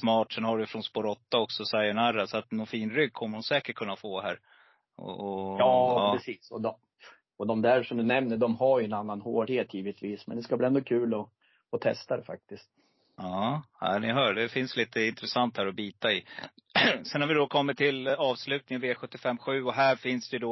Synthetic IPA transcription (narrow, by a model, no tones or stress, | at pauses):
smɑːʈʂɛnhaɖʏjfɾɔnspoɾɔt̪ːaɔksɔsajɛnaɾːasɔat̪nɔnfiːnɾʏɡ̚kʰɔmːəɾhʊnsɛːkəʈ̚kʰɵnːafoːɦæːɾ | ɔ̰ɔɑːɑːpːɾɛsiːsɔ̰d̪ɔ | ɔd̪ɔmd̪æɾʂɔmd̪ɵnɛmnəɖɔmhaɾjɵɛnanːanhoːɖheːt̪ːjiːvɪt̪viːsmɛ̰nd̪ɛskabliɛnd̪ɔkʰʉ̟ːlɔ | ɔt̪ʰɛ̰st̪ad̪ɛfa̰k̚t̪ɪst̪̚ | ɑːæ̰ɪnɪɦœːɖɛfɪnsliːt̪əɪnt̪ɾɛsant̪hæːɾɔbiːt̪aɪ | sɛnhaɾvɪd̪ɔkʰɔmːɪt̪t̪ʰɪlɑːvslʉ̟ːt̪nɪŋənveːɧɵt̪ːɪfɛmːɧʉ̟ːɔɦæːɾfɪnsd̪ɛjɵd̪ɔ